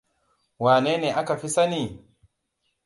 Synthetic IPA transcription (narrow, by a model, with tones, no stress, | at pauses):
waː˨neː˦neː˨ʔa˦ka˨ɸi˦sa˦ni˨